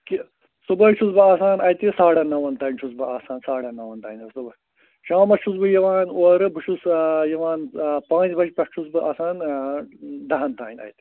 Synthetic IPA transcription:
ki | subɐt͡ʃʰusbɨaːsaːnɐjt̪isaːɽɐnɐʋɐnt̪ɐːnt͡ʃʰusbɨaːsaːnsaːɽɐnɐʋɐnt̪aːinʲɐsubɐ | t͡ʃaːmɐt͡ʃʰusbɨjɐʋaːnoːɾɨbɨʃʰusjɐʋãːnpãːt͡ʃbɐt͡ʃpʲɐkt͡ʃʰusbɨʔaːsaːn | d̪ɐɦɐnt̪aːinʲɐ̰jt̪i̥

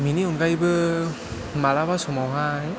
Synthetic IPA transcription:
miniunɡajbɯ | malabasumawɦaj

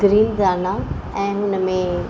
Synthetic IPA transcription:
ɡɾiːnzaːna | ɛ̃ːɦʊnəmẽ

